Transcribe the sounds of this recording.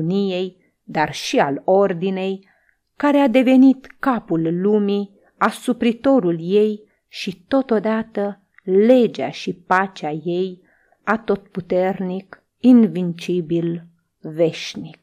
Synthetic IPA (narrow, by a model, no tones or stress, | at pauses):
nije̞j | d̪arʃialo̞rd̪ine̞j | kaɾead̪e̞ve̞nit̪kapulːumi | asupɾit̪o̞ɾulje̞j | ʃit̪o̞t̪o̞d̪at̪ə | le̞d͡ʒa̰ʃipat͡ʃeaje̞j | at̪o̞t̪̚put̪e̞rnik | invint͡ʃibil | ve̞ʃnik̚